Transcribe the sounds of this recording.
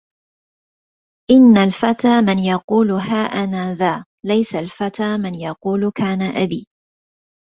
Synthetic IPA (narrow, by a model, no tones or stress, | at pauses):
ʔɪnːalfat̪aːmɪnjɑquːlʊhaːʔanaːðaː | lajsalfat̪aːmɪnjɑquːlkaːnaʔabiː